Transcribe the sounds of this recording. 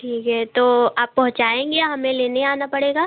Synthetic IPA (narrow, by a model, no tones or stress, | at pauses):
ʈʰiːkɦɛt̪oːaːpːɐɦʊ̃t͡ʃaːẽːŋɡeaɦɐmẽleːneĩaːnapɐɽeːɡaː